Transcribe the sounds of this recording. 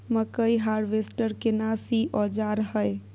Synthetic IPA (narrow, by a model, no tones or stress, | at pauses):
məkəjiɦaɾʋesʈəɾkenasiʔɔd͡ʒaɾɦəj